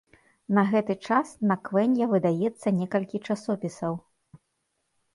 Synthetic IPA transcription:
nɐɣɛt̪ɨt͡ʂasnɐkvɛnʲjɐvɨd̪ajɛt̪sːɐnʲɛkɐlʲkʲit͡ʂasɔpʲisɐw

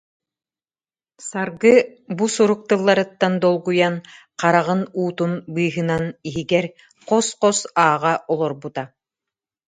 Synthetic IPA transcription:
saɾɡɯ | busuɾuk̚t̪ɯlˠːaɾɯt̪ːand̪ɔlˠɡujan | qaɾaʁɯnuːt̪unbɯːɦɯnaniɦiɡɛɾ | qɔsqɔsaːʁaʔɔlˠɔɾbut̪a

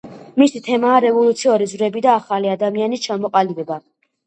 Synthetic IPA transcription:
misit̪ʰɛmaːɾɛvɔlˠut̪sʰiɔɾizvɾɛbid̪aːχaliad̪amianist͡ʃʰamɔqʼalibɛba

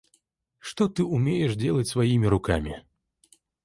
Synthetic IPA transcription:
ʂt̪ɔt̪ɨumʲejɛʂd͡zʲelˠɐt͡sʲsvajimʲiɾʊkamʲi

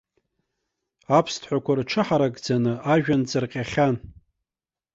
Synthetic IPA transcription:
apʰstʰħʷakʷʰarʈ͡ʂʰɨħaɾakʼd͡zanɨʔaʒᶣant͡sʼɨrqʲʼaχʲan

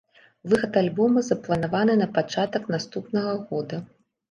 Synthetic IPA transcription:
vɨxɐt̪alʲbɔmɨzɐplˠɐnavanɨnɐpat͡ʂat̪ɐkn̪ast̪upnɐɣɐɣɔd̪ɐ

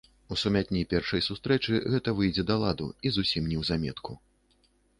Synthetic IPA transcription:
usumʲat̪ʲnʲipʲɛrʂɐjsust̪ɾɛt͡ʂɨɣɛt̪ɐvɨjd͡zʲɛd̪ɐlˠad̪ṵizusʲimnʲɛwzamʲɛ̰t̪ku

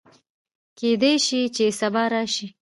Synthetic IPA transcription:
ked̪ejʃit͡ʃesabɑɾɑʃi

